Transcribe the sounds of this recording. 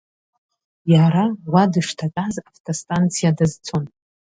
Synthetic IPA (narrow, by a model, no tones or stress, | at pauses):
jaɾawadɨʂtʰatʼazaftʼostʼant͡sʰijadazt͡sʰon